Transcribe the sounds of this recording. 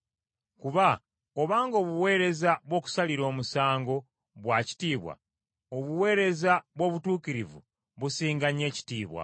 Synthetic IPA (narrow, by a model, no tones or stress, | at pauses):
kuβa | o̞βaːŋɡo̞ːβuwe̞ːɾe̞zaβwo̞ːku̥saliɾo̞ːmusaːŋɡo̞ | βwaci̥tiːβwa̰ | o̞βuwe̞ːɾe̞zaβwo̞ːβutuːkiɾivṵ | βusiːŋɡaɲe̞ːci̥tiːβwa̰